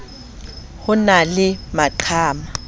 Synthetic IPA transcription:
hʊnalɪmaǃʰaːma

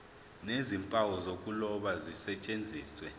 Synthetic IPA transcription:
nezimpʼawɔzokʼulɔɓazisɛt͡ʃʼend͡zʱiːswɛ

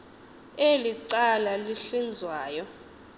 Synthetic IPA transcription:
eliǀalaliɬind͡zʱwaːjɔ

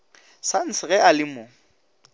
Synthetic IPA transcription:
san̩sɪɣɛalɪmʊ

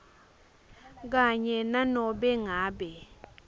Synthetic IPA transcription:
k̬aɲɛnanɔɓɛŋaːɓɛ

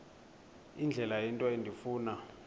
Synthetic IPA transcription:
ind͡ɮʱɛlajɛntʼwɔendʱifuːna

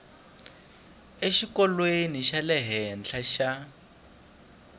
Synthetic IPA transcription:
eʃikɔlweniʃalɛɦɛnt͡ɬʰaʃa

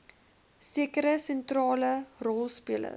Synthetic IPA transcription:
siəkəɾəsɛntrɑːlərɔlˠspiələ̰

